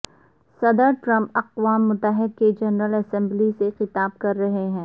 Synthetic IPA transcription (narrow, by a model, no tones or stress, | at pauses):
sɐd̪əɾʈɾɐ̃mpɐqʋaːmːʊt̪ːəɦɪd̪̚ked͡ʒɐnɾəlɛsɛ̃mblisexɪt̪aːb̚kɐɾːɐɦeɦɛ̃ː